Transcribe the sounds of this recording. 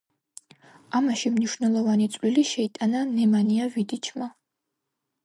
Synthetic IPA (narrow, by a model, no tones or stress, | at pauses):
amaʃimniʃvnɛlˠɔvanit̪sʼliliʃɛit̪ʼananɛmaniavid̪it͡ʃʰma